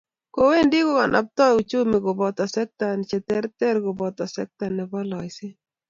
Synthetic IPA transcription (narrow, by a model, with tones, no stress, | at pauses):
ko˨˦we˦ndi˦ko˦ka˨nʔa̰˨p̚t̪ɔ˦u˨t͡ʃu˦mɪ˨ɡʊ˨bɔ˨t̪ɔ˨sɛ˦k̚t̪a˨n˨t͡ʃɛ˨t̪ɛ˦ɾt̪ɛ˦ɾɡʊ˨bɔ˨t̪ɔ˨sɛ̰˦k̚t̪a˨nɛ˨bɔ˦lɔ˨ɪsɪ˦